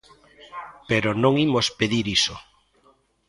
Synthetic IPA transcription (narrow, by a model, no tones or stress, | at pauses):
peɾonõŋimospeðiɾiso